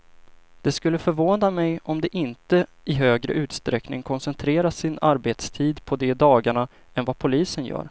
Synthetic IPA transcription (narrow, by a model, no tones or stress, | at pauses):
d̪̥ɛskɵlːəfœɾvoːnamɛjɔmd̪ɛʔɪnt̪ə | ɪɦøːɡɾə̰ʔʉ̟ːt̪st̪ɾɛknɪŋkʰɔnsɛnt̪ʰɾeːɾasːɪnaɾbeːt̪st̪ʰiːd̪pʰɔd̪ɛd̪ɑːɡaɳa | ɛnvapʰʊliːsənjœ̰ːɾ